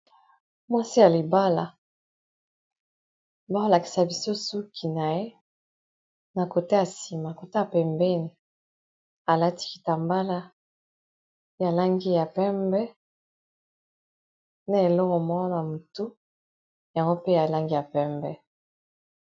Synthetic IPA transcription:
mwa˦si˦ja˨li˨ba˦la˨ | ba˦ko˨la˨ki̥˨sa˨bi˨so˦su˦kʰi˨na˨je˦ | na˨ko˨te˦ja˨si˨ma˨ko˨te˦a˨pɛ˨mbɛ˦ni˨ | a˨la˦ti̥˦ki̥˨ta˨mba˦la˦ | ja˨la˦ŋɡi˦ja˨pɛ˦mbɛ˦ | na˦e˨lɔ˦kɔ˨mɔ˦ɔ˦na˨mu˨tu˦ | ja˨ŋɡo˦pe˦ja˨la˦ŋɡi˦ja˨pɛ˦mbɛ˦

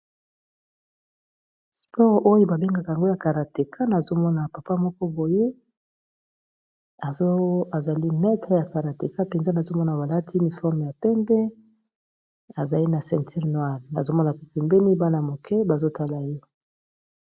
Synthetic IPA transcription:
spʰɔ˦ʁʔo˦jo˦ba˨be˦ŋɡa˨ka˨ja˨ŋɡo˦ja˨ka˨ʁa˨te˨kʰa˦na˨zo˦mɔ˦na˨pa˨pa˦mɔ˦kɔ˦bo˨je˦ | a˨˦a˨za˨li˦mɛ˦tʁə˨ja˨ka˨ʁa˨te˨ka˦pe˨nza˦na˨zo˦mɔ˦na˨ba˨la˦tʰi˦i˦ni˨fɔ˦ʁm˨ja˨pɛ˦mbɛ˦ | a˨za˨li˦na˨sɛ̃˨ntʰi˦ʁnwa˨lna̰˨zo˦mɔ˦na˨ke˨pɛ˨mbɛ˦ni˦ba˦na˨mo˨kʰɛ˦ba˨zo˦tʰa˦la˨je˦

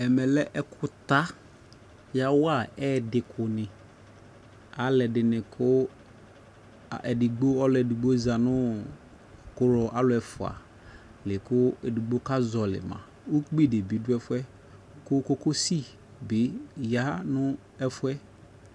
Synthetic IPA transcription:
ɛ˨mɛ˨lɛ˦ʔɛ˦kʰʊ˦t̪a˦ | ja˦wa˦˨ɛː˦dɪ˨kʰʊ˨nɪ̃˨ | a˨lɛ˨dɪ˨nɪ̃˨kʰʊ˦˨ | ɛ̰˨dɪ˨ɡ͡bo˦ɔ˦lʊ˨ɛ˨di˨ɡ͡bo˦za˨nʊ̃˦˨ | kʊ˦ɾɔ˨ʔa˦lʊ˨˦ɛ˨fʊ˨a̰˨ | lɪ˨kʊ˦ɛ˨di˨ɡ͡bo˦ka˦zɔ˨lɪ̰˨mã̰˨ | u˦k͡pi˦de˨bi˨˦dʊ˦ɛ˦fʊ˦ɛ˦ | kʊ˦ko˦ko˦si˦ | bɪ˨˦ja˦nʊ̃˦ | ɛ˦fʊ˦ɛ˦

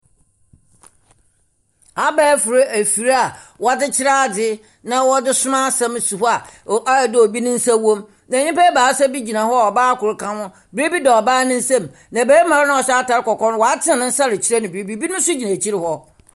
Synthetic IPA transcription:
a˨bɛː˦fʊ˨ɾe˦ʔæ˨fi˨ɾa˨wɔ˨˦a˦dɪ˦t͡ɕʰɪ˦ɾa˦˨dɪ˦ | nã˦wɔ˦dɪ˦sʊ˦mã˦sã˦m˨su˨hɔ˦a˨a˦˨dɪ˦o˨bi˦nʊ̃˦n̩˦sa˦wɔ̃˦m | nã˨˦ɲɪ̃˦pɛː˦baː˨˦sa˦bi˦d͡ʑi˨nã˨hɔ˦a˨ɔ˨baː˦kʊ˨ɾʊ˨˦kʰã˦wʊ̃˦ | bi˨ɾe˦bi˦dɛ˨ɔ˨baː˦nɪ̃˦n̩˦sã˦˨m | nã˨bæː˦mã˨ɾɪ˦nã˦ɔ˨ɕɛ˦a˦ta˨ɾɪ˦kɔ˨kɔ̃˦n˦wɔ˨a˦tʰɪ˦ã˨nʊ̃˦n̩˦sa˦ɾɪ˨t͡ɕʰɪ˦ɾɛ˦nɪ̃˨bɾe˨bi˦˨bi˦nʊ̃˦n̩˦sʊ˦d͡ʑi˨nã˨t͡ɕʰi˦ɾɪ˨hɔ˦

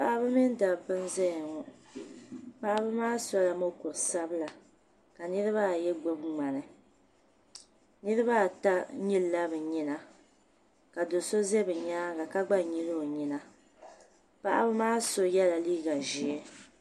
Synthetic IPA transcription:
pa˦ʔa˦bɨ˦mi˦n˦da˨bɨ˦n˦zɛ˦jŋɔ˨ | pa˦ʔa˦bɨ˦maː˦sɔ˦la˨mo˦kʊ˨ɾsa˦bɨ˦la˨ | ka˨nɨ˦ɾɨ˦βa˦˨jɛ˦ɡ͡bo˦bŋ͡ma˨nɨ˨ | nɨ˦ɾɨ˦βa˦˨ta˦ɲi˦lːa˦bɨ˨ɲi˦na˨ | ka˨do˨so˦zɛ˦bɨ˨ɲaː˦ɡa˨ka˦ɡ͡ba˦ɲi˦lo˦o˨ɲi˨na˦ | pa˦ʔa̰˦bɨ˦maː˦so˨jɛ˦la˨liː˦ɡa˨ʒi˨ɛ˦

